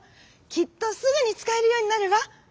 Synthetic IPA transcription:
kʲit̪ːo̞sɨɡɯ̟ɲ̟it͡sɨ̥kae̞ɾɯjo̞ːɲ̟inaɾe̞βa

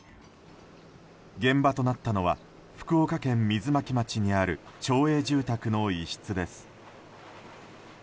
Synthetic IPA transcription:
ɡẽ̞mbat̪o̞nat̪ːano̞β̞a̰ | ɸɯ̥kɯ̟o̞kakẽ̞mːʲizɨmakʲimat͡ɕiɲ̟iaɾɯ̟t͡ɕo̞ːe̞ːʑɨːt̪akɯ̟no̞iɕi̥t͡sɨd̪e̞sɨ̥

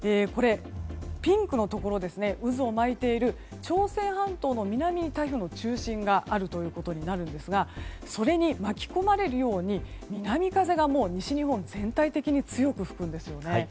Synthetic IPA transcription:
eːko̞ɾe̞pʲĩŋkɯ̟no̞t̪o̞ko̞ɾo̞d̪e̞sɨne̞ʔɯ̟zɨo̞mait̪e̞iɾɯ̟ | t͡ɕo̞ːsẽ̞ɰ̃hãnt̪o̞ːno̞mʲinamʲit̪aiçɯ̟no̞t͡ɕɨːɕĩŋɡaʔaɾɯ̟t̪o̞jɯ̟ːko̞t̪o̞ɲ̟inaɾɯ̟̃nd̪e̞sɨɡa | so̞ɾe̞ɲ̟imakʲi̥ko̞maɾe̞ɾɯ̟jo̞ːɲ̟imʲinamʲikaze̞ɡamo̞ːɲ̟iɕiɲ̟iɦõ̞nd͡zẽ̞nt̪ait̪e̞kʲiɲ̟it͡sɨjo̞kɯ̟ɸɯ̥kɯ̟̃nd̪e̞sɨjone̞

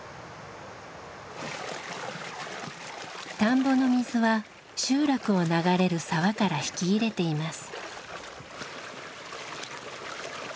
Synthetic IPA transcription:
t̪ãmbo̞no̞mʲizɨβa | ɕɨːɾakɯ̟o̞naɡaɾe̞ɾɯ̟saβakaɾaçi̥kʲiːɾe̞t̪e̞imasɨ̥

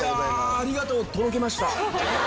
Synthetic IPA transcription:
aɾʲiɡat̪o̞ːt̪o̞ɾo̞ke̞maɕi̥t̪a

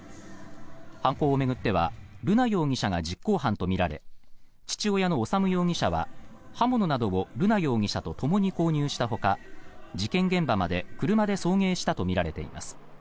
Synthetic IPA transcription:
hãŋko̞ːme̞ɡɯ̟t̪ːe̞βa̰ɾɯ̟najo̞ːŋ̟ʲiɕaɡad͡ʑikːo̞ːhãnt̪o̞mʲiɾaɾe̞̰ | t͡ɕi̥t͡ɕio̞jano̞ːsamɯ̟jo̞ːŋ̟ʲiɕaβ̞a̰hamo̞no̞nad̪o̞ɡoɾɯ̟najo̞ːŋ̟ʲiɕat̪o̞t̪o̞mo̞ɲ̟iko̞ːɲ̟ɨːɕi̥t̪aɦo̞kad͡ʑikẽ̞ŋɡẽ̞mbamad̪e̞kɯ̟ɾɯ̟mad̪e̞so̞ːŋe̞ːɕi̥t̪at̪o̞mʲiɾaɾe̞t̪e̞̰ḭma̰sɨ̥

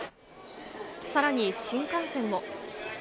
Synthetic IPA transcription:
saɾaɲ̟iɕĩŋkãɰ̃sẽ̞mːo̞

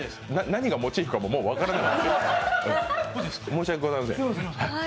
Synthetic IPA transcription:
nanaɲ̟iɡamo̞t͡ɕiːɸɯ̟kamo̞mo̞ːβakaɾanakat̪kesɯ̃ | mo̞ːɕiakeɡozaeimas̬ḛ̃ha

